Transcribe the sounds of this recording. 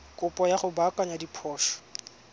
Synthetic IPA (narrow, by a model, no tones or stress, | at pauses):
kʼʊpʼɔjaχʊbakʼaɲadipʰɔːʃɔ̥